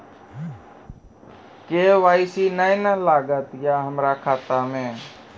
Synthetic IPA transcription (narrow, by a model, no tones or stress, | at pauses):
keːʋaːisinaɪ̃nəlaːɡət̪jaɦəmɾakʰaːt̪amẽː